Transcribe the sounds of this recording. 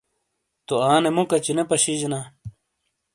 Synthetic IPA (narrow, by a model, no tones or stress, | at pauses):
t̪oaːnemukɐt͡ɕinepɐɕid͡ʑna